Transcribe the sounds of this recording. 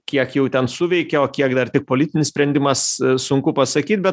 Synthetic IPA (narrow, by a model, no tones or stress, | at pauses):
kʲiɛkjɛʊt̪ʲɛnsʊʋʲɛɪkʲɛoːkʲiɛkd̪ɐrt̪ʲɪk̚poːlʲɪt̪ʲɪnʲɪsʲpʲɾʲɛnʲd̪ʲɪmɐssʊŋkʊpɐsɐkʲiːt̪bʲɛt̪